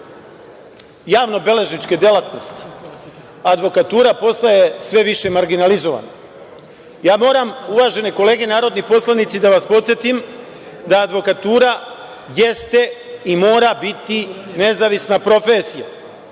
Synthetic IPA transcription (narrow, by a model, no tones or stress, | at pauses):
jaːʋno̞be̞le̞ʒnit͡ʃke̞d̪jelat̪no̞st̪i̥ | ad̪ʋo̞kat̪uːɾapo̞st̪ajesʋe̞ʋiʃe̞maɾɡinalizo̞ʋa̰na | jaːmo̞ːɾamuʋaʒe̞ne̞ko̞le̞ːɡe̞naːɾo̞d̪nipo̞slˠanit̪sid̪aʋaspo̞t̪sje̞t̪im | d̪aːd̪ʋo̞kat̪uːɾa | je̞st̪e̞imo̞ːɾabit̪ine̞zaʋisnapɾo̞fesija̰